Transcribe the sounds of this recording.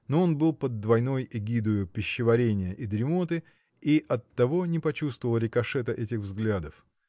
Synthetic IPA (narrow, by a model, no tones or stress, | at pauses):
noonbɨlˠpəd̪ːvɐjno̞jɪɡʲid̪ʊjʊpʲɪɕːɪvɐɾʲenʲɪjəʔɪd̪ɾʲɪmot̪ɨ | iʔɐt̪ːɐvo̞nʲɪpɐt͡ɕust̪vəvəlˠɾʲɪkɐʂɛt̪əʔɛtʲɪxvzɡlʲad̪əf